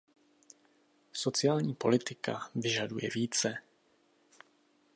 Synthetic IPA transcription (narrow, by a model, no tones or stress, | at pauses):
so̞t͡sɪaːlɲiːpo̞̰lɪt̪ɪka̰vɪʒadujɛ̰viːt͡sɛ